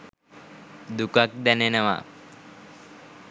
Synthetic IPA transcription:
d̪ukak̚d̪ænenəʋa̰

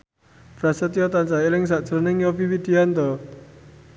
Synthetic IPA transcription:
fɾasət̪jɔt̪ant͡ʃaelɪŋs̬aʔd̥t͡ʃəɾənɪŋjɔfiwid̪̥iant̪ɔ

